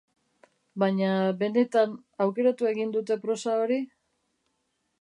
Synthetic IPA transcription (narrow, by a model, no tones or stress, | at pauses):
baɲabe̞ne̞t̪an | awke̞ɾat̪ue̞ɣind̪ut̪e̞pɾo̞sao̞ɾi